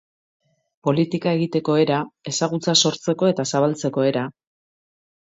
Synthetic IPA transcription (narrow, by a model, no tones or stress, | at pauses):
po̞lit̪ikae̞ɣit̪e̞ko̞e̞ɾae̞saɣ̞ut͡saso̞ɾt͡se̞ko̞e̞t̪asaβ̞alt͡se̞ko̞e̞ɾa